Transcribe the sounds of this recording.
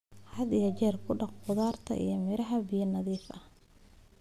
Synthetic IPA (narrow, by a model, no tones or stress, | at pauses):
hɐd̪ijɐt͡ʃɛːrkʰʊɖɑqqʊðaːrt̪ʰɐ̰ʔḭjɞmɪɾɐɦɐbɪjɐnɐðiːfɐh